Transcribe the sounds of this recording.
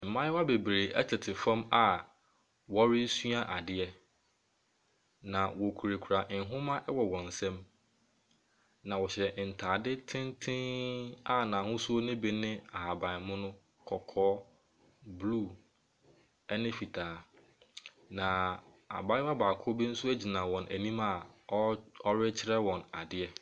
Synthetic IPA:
m̩˨mã˦jɪ˦wa˦be˨bɾe˨ʔɛ̰˦tʰɪ˨tʰɪ˨fã˦ma˦ | wɔ˦ɾɪ˦su˦a˦ʔa˨dɪ˦ɛ˦ | nã˨wɔ˨kʰu˨ɾe˨kʰu˨ɾa˨ʔɪ̃˨˦ɦʊ̃˦mã˦ʔɛ˦wɔ˨wɔ̃˨n̩˨sɛ̃˦m | nã˨wɔ˨ɕɛ˨ʔn̩˨tʰaː˨dɪ˦tʰɪ̃˦ntʰɪ̃˦a˦nã˨hʊ̃˦su˦o˦nɪ̃˦be˦nɪ̃˦a˨ɦa˨ba˨mʊ̃˦nʊ̃˦ | kʰɔ˨kʰɔː˦ | blu˦˨ | ɛ˦nɪ̃˦fi˨tʰaː˨˦˨ | nã˨ | a̰˨ba˦ɪ˦wa˦baː˨kʰʊ˦bi˦n̩˦sʊ˦æ˦d͡ʑi˨nã˨wɔ̃˨nʔæ̰˨nĩ˦ma˨˦ | ɔ˦ɾɪ˦t͡ɕʰɪ˦ɾɛ˦wɔ̃˨na˨dɪ˨ɛ˦

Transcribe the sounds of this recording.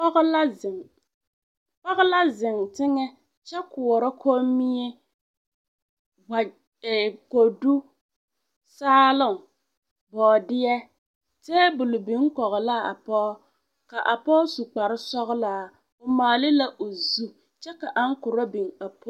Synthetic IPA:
ɣlŋ | pɔ˦ɣʊ˦la˦zɪ˨ŋtɪ˦ŋɛ˦ | t͡ʃɛ˦kʊ˨ɔ˨ɾɔ˦kʰo˦mi˦e˦ | wa˨ | ko˨du˦ | saː˦lʊ˦˨ŋ | bɔː˨dɪ˦ɛ˦ | tɛː˦bʊ˨lʊ˨bi˨˦ŋ˦kɔ˨ɣɔ˨la˦˨a̰˨pɔː˦ | ka˨ʔa˨pɔː˦su˨k͡pa˨ɾɪ˦sɔ˦ɣʊ˦la˨ | ʊ˨maː˨lɪ˦la˦ʔo˨zu˦ | t͡ʃɛ˦ka˨ʔa˦ŋ˦kʊ˨ɾɔ˦bi˨ŋa˨pʰɔ˦

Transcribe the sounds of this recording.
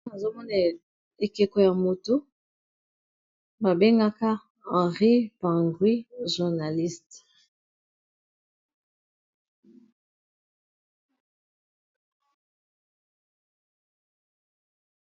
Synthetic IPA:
na˨zo˦mɔ˦na˨ | e˨ke˨ko˨ja˨mo˨to˦ | ba˨be˦ŋɡa˦ka˦ | ã˨ʁi˦pã˨ŋɡwi˦ʒu˨ʁna˨li˦st

